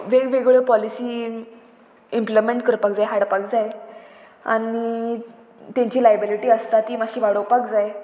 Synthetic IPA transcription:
ʋeɡʋeɡɭepɔlisiː | implimẽɳʈkəɾpak̚d͡zajɦaɽpak̚d͡zaj | a̰ni | t̪jãɲt͡ɕiːlajbiliʈiːəst̪at̪iːmaɕiːʋaɽowpakd͡zaj

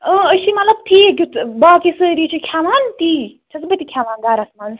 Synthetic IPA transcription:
ə̃əʃimɐt̪lɐb̚t̪ʰik̬ʲut͡sbakisɨɾit͡ʃʰikʰjaːmaːnt̪i | t̪ʰɐsbɐt̪ikʰjaːmaːnɡaːɾɐsmans

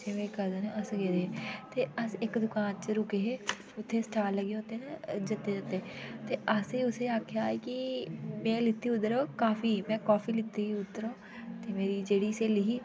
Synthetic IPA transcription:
t͡ʃeʋẽːkəɾd̪eneəsɡeːɾeːeːt̪eːəsɪkd̪ʊkaːnt͡ʃəɾʊkeːɦeː | ʊt̪ʰːeːsʈaːɾlːəɡeːɦot̪ened͡ʒət̪ːeːd͡ʒət̪ːet̪eːəseːʊseːaːkʰeaːeːkɪmɛ̃ːlɪt̪ːiːʊd̪əɾoːkaːfiːmɛ̃ːkaːfiːlɪt̪ːiɡiʊd̪əɾõː | t̪eːmeːɾiːd͡ʒeːɽiːseːlɪɦiː

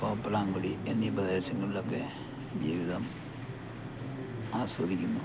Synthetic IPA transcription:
poːpːulaːŋɡuɽienːibɐd̪ɐɾɐsɐŋːɐɭilokːe̞ | d͡ʑiːʋiðɐm | aːsoːd̪ʱikʲːunːu

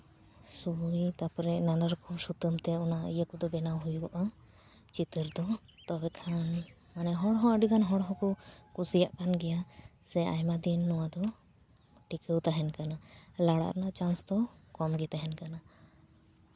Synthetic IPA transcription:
suit̪apɾɛʔnanəɾkʰɔsut̪əmt̪ɛɔnaʔjəkud̪ɔbɛnawɦujuʔa | t͡ʃit̪əɾd̪ɔ | t̪ɔbɛkʰan | manɛɦɔ̃ɽɦɔ̃əɖikʰanɦɔ̃ɽɦɔ̃kɔkusijaʔkanɡɛjasɛa̰jmad̪inːɔwad̪ɔ | ʈikəwt̪aɦɛnkanalaɽa̰ʔɾnaʔt͡ʃãnsd̪ɔkɔmɡɛt̪aɦɛnkana

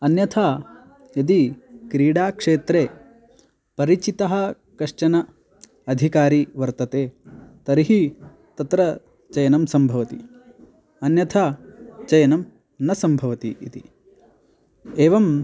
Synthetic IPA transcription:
ɐnjɐt̪ʰa | jɐd̪ikɾiːɽaːkʂeːt̪ɾeː | pɐɾit͡ʃit̪ɐɦɐ̆ | kɐʂʈɐnɐ | ɐd̪ʱikaːɾiʋɐɾt̪ɐt̪eːt̪ɐɾiɦi | t̪ɐt̪ɾɐ | t͡ʃɐjɐnɐmsɐmbʱɐʋɐt̪ḭ | ɐnjɐt̪ʰat͡ʃɐjɐnɐm | nɐsɐmbʱɐʋɐt̪ḭʔḭt̪i | eːʋɐm

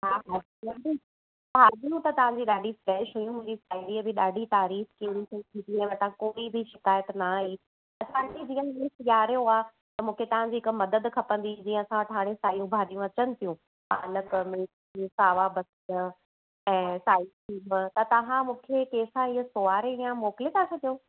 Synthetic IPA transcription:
ɦaːɦad͡ʑiɐ̃d͡ʑi | taːɗijũt̪ɐt̪ɐʋ̤ãɲd͡ʑiɗaːɖʱifɾɛːʃɦujũmʊ̃ɦɪ̃ɲd͡ʑisaːɪɖiːəbʱɪɗaːɖʱit̪aːɾiːxkinɪ̆t̪ʰɐt̪ʰĩd̪iɛ̃ʋɐt̪ãkoːibʱɪʃɪkaːjət̪naɦi | ɐsãːd͡ʑid͡ʑĩːə̃mɪlsjjaːɾijoaː | t̪ɐmũːkʰet̪ɐʋ̤ãɲd͡ʑiːɦɪkʊmɐd̪əd̪kʰɐpə̃nd̪id͡ʑĩːə̃ɐsãʋəʈʰaːɽ̃ẽsaːjũbʱaːɗijũɐt͡ɕənɪ̆t̪ʰijũ | aːnəkmɪls | isaːʋabɐs | ɛ̃ːsaːɪʈʰiːmt̪ɐt̪ɐʋãmũːkʰekeːsãɪəsoaːɾeijãmoːkɪlet̪ʰat͡ɕʰɐd̪ijoː

